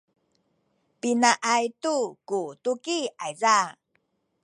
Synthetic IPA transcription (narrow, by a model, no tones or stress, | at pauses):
pinaʔajtukutukiajza